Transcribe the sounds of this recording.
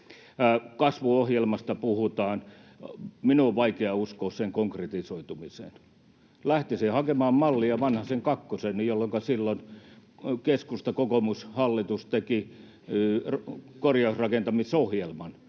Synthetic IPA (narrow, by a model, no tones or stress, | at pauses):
kɑsʋuohjelmɑst̪ɑpuhut̪ɑːn | minuoʋʋɑikeɑuskoːsseŋkoŋkret̪isoit̪umisḛn | læht̪isehɑkemɑːmmɑlːiɑʋɑnhɑseŋkɑkːosennijolːoŋkɑsilːon | keskust̪ɑkokomushɑlːit̪ust̪eki | rkorjɑusrɑkent̪ɑmisohjelmɑn